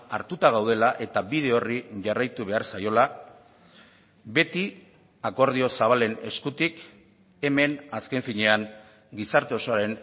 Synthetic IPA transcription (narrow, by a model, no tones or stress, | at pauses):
a̰ɾt̪ut̪aɣ̞awð̞e̞laʔe̞t̪aβið̞e̞o̞riʝarajt̪uβ̞e̞aɾsajo̞la | be̞t̪i | ako̞ɾð̞io̞saβale̞ne̞̰skut̪ik | e̞me̞naske̞ɱfiɲe̞aŋ | ɡisaɾt̪e̞o̞so̞aɾe̞n